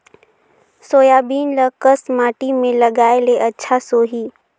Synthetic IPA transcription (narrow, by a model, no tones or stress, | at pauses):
soːjaːbiːnləkəsmaːʈimẽləɡaːeleʔɐtːʃʰasoːɦiː